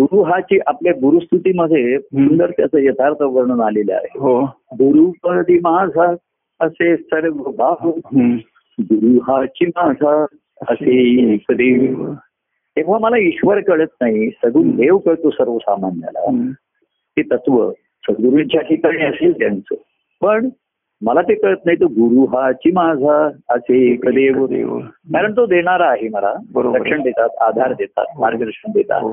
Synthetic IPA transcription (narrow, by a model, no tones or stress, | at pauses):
ɡuɾuɦat͡ɕiːʔapljaɡuɾust̪ʰut̪iməd̪ʱesund̪əɾt̪jat͡səjəd̪ʱaɾt̪ʰəʋəɾɳunalela̰ɦeɦoɡuɾukəd̪ʱiːmad͡zʱa | əsesəɽəɡbʱaɦ | ɡuɾuɦat͡ɕimad͡zʱa | əsekəd̪i | t̪ẽʋ̤aməlaiɕʋəɾkəɭət̪̚naɦisəɡuːnd̪eʋkəɭt̪osəɾʋəsamanjə̰la̰ | t̪et̪ət̪ʋə̰ | səɡɡ̪uɾunid͡ʑʱakikəɾɳiəselt̪jant͡sə | pəɳ | məlat̪ekəɭət̪̚naɦit̪əɡuɾuɦat͡ɕimad͡zʱaəsekəd̪eʋkaɾəɳt̪od̪eɽ̃aɾaːɦeməla̰bəɾd̪əkʂəɳd̪et̪at̪ad̪ʱaɾd̪et̪a̰t̪̚maɾɡəd̪əɾʂəɳd̪et̪a̰t̪